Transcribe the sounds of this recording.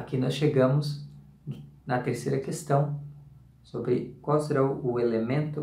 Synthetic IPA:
akinɔsʃeɡɐ̃mʊz | nɐt̪eɾsejɾɐkest̪ɐ̃w̃ | sobɾɪkwawseɾaʊelemẽnt̪ʊ

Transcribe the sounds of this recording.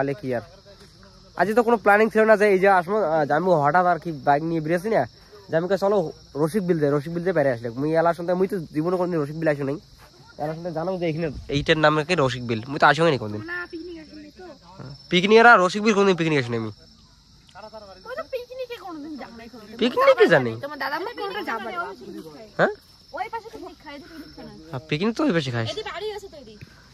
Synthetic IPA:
alekiaɾ | a̰d͡ʑet̪̬ɔkonoplaniŋt͡ɕʰilonazeejd͡ʑeaʃ̬mɔamiɦɔʈat̪aɾkibajɡniebiɾias̬ina | d͡ʑamikasɔlo | ɾoʃ̬ik̚bild̪eɾoʃ̬ik̚bild̪epɛɾeaʃ̬lekmujɛlaɾʃɔnd̪ajmujt̪od͡ʑibonokond̪inɾoʃ̬ik̚bilaʃonej | ɛ̰laɾʃɔnd̪ʰjzanaŋd͡zeejkʰineejʈenamkakiɾoʃ̬ik̚bilmujt̪oaʃɔ̃ŋenejkond̪inpiknikʃ | pikniɛɾaɾoʃik̚bilkond̪inpiknikaʃunejmi | t̪piknikekɔnod̪inaapikninibizanːej̪omd̪ad̪amakɔaaaoihɛ̃ | opaʃet̪ʰa | apiknit̪oojpaʃ̬ikʰajaɽia

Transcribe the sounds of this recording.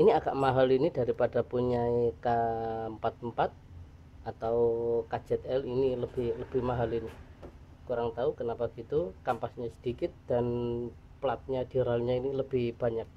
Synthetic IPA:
iniaɡ̥aʔmaɦalinidaɾipadapuɲaikampat̪̚əmpat̪̚ | at̪aukad͡ʒɛt̪ɛliniləb̥ɪhləb̥ɪhmaɦalini | kuɾaŋt̪aukənapaɡ̥it̪ukampasɲasə̥d̥ikɪt̪̚d̥an | plat̪̚ɲad̥iɾalɲainiləb̥ɪhb̥aɲak̚

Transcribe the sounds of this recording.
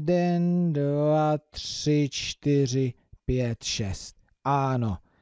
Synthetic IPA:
d̪ɛndvat̪rɪt͡ʃt̪ɪrɪ | pjɛt̪ʃɛst̪̚ | ʔaːno

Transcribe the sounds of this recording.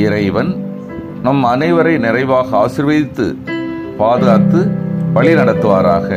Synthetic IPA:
ɪɾɐɪʋɐn | nɐmɐnɐɪʋɐɾɐɪnɪrɐɪʋaːɣɐaːsɪɾʋɐjɪt̪ːɯ̰ | paːðɯɣaːt̪ːɯpɐɭinɐɽɐt̪ːɯʋa̰ːɾaːɣɐ

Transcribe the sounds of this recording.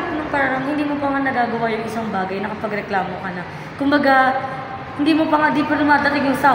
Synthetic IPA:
pnʊŋpɐɾanoŋhɪnd̪iːmopɐŋanɐɡaːɡɐwajʊŋɪsaŋbaːɡɐjnɐkɐpɐɡɾɛklaːmokɐna | kʊmbɐɡa | hɪnd̪iːmopɐŋad̪iːpɐt̪ʊmaːt̪ɐt̪ɪɡjʊŋsa

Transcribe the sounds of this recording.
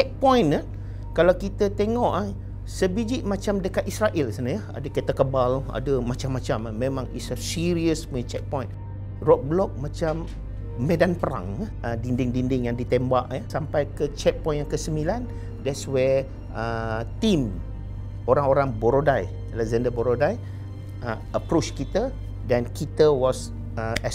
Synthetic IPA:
t͡ʃɛk̚pɔ̃jna | kalawkit̪ət̪eŋɔʔa | səbid͡ʒiʔ̚mãt͡ʃamdəkat̪isɾaʔɛlsanajəa̰dəket̪akəbala̰dəmat͡ʃamːãt͡ʃamamẽmãŋḭssiɾiəsmit͡ʃɛk̚pɔ̃jn | rɔk̚bəlɔk̚mãt͡ʃamː | edanpəɾa̰ŋaədindɪŋdindɪŋjaŋdit̪embaʔjəsampajkət͡ʃɛt̚pɔ̃j̃njaŋkəsəmilan | dɛtswɛ | ət̪im | oɾaŋoɾaŋboɾodaj | alɛzandəboɾodaj | ə | əpɾot͡ʃkit̪ə | dankit̪əwɔs | əɛ

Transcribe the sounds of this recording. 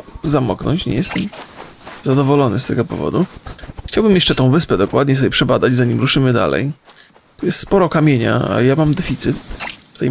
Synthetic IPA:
zamɔ̰knɔ̰ɲt͡ɕɲɛ̰jɛst̪ɛm | zad̪ɔvɔlɔnɘ̰st̪ɛɡɔpɔ̰vɔ̰d̪uxt͡ɕawbɘmjɛʂt͡ʂɛt̪ɔ̃w̃vɘspɛd̪ɔkwad̪ɲɛs̬ɔbʲɛpʂɛbad̪ad͡ʑzaɲimɾuʂɘmɘd̪a̰lɛ̰j | t̪ujɛst̪spɔɾɔkamʲjeɲa̰a̰jamamd̪ɛfʲit̪sɘt̪ft̪ɛj

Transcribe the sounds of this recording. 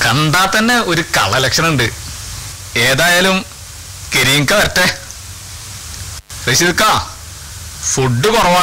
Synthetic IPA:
kɐnd̪aːt̪ːɐnːeo̞ɾukɐ̰ɭɐlekʂɐnɐuɳɖɨ | eːðaːjaːlum | keɾijŋkːɐʋɐɾt̪ːe | riɕiðikːaː | fuɖːɨkorɐʋaː

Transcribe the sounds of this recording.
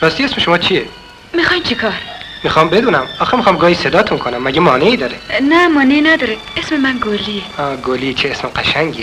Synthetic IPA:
ɾɒːst̪iesmeʃomɒːt͡ʃʰie | mixɑjmt͡ʃʰikʰɑɾmixɑmbed̪uːnæmɑːxemixɑmɡɒːised̪ɒt̪ʰunkʰonæmːæɡemɒːneiːd̪ɒːɾenæmɒːneinæd̪ɒːɾe | esmemænɡoliɔːɡolit͡ʃʰeesmeqæʃæŋɡi

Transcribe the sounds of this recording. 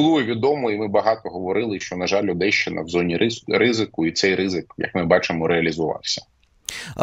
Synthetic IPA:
lˠueʋʲid̪ɔmɔimɪbɐɦɑt̪ɔɦɔʋɔɾɪlˠɪʃt͡ʃɔnɐʒɑlʲʊd̪ɛʃt͡ʃɪnɐ̰wzɔnʲirɪzɪkʊit̪sɛjrɪzɪkjɐ̰k̚mɪbɑt͡ʃɪmɔɾeɐlʲizʊʋɑ̰wsʲɐ̥

